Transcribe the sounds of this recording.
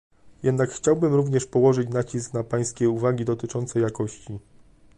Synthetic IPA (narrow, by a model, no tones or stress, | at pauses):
jɛd̪nakxt͡ɕawbɘmɾuvɲɛʂpɔwɔʐɘt͡ɕnat͡ɕisknapaj̃skʲɛuvaɡʲid̪ɔt̪ɘt͡ʂɔnt̪sɛjakɔɕt͡ɕi